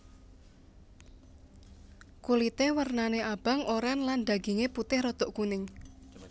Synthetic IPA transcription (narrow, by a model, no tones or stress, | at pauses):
kulit̪ewərnaneʔab̥a̤ŋʔoɾɛnland̪̥a̤ɡ̥e̤ŋeput̪ɪhrɔt̪oʔkunɪŋ